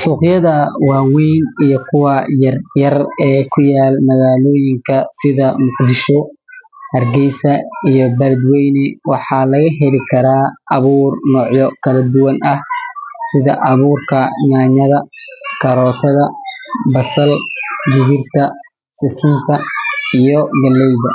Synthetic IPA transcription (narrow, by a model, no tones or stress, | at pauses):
suːqjɐðɐwaːwɛjnijɔkʰʊwɑjɐrjɐrɛːkʰʊjaːlmɐɣaːlɔːjɪŋkʰɐsɪðɐmʊqd̪ɪʃɔhɐrɡɛjsɐijɔbɐlɐd̪wɛjnɪwɑħɑːlɐɣɐɦɛlɪkʰɐɾaːʔɐβuːrnɔːʕjɔkʰɐlɐd̪ʊwɐnɐhsɪðɐʔɐβuːrkʰɐɲaːɲɐðɐkʰɐɾɔːt̪ʰɐðɐbɐsɐldɪɣɪrt̪ʰɐ | sɪsɪnt̪ʰɐijɔɡɐlɛjdɐ